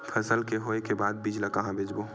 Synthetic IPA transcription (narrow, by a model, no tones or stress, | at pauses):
pʰəsəlkeɦoːekebaːd̪̚bɪd͡ʒlakɐɦãbeːd͡ʒbo